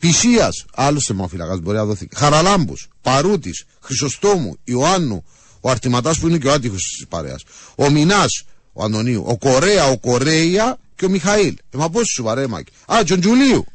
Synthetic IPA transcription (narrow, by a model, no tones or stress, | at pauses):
pisiɐsalːosemːaofila̰kazboɾiaðoθḭixaɾalambṵspaɾut̪is | xɾisost̪o̞mṵioanːu | oaɾt̪imat̪aspuineceoat̪ixosispa̰ɾḛa̰sominas | oa̰nd̪oniṵʔo̰koɾeaokoɾejaceomixailemap̬ossupaɾema̰ci̥at͡ʃond͡ʒuliṵ